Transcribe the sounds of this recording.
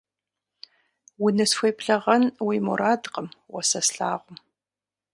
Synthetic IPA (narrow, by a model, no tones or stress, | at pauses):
wʊnɨsxʷejpʰɬɐʁɐnwiːmṵɾaːdqʼəmwɔsɐsɬaːʁʷʊm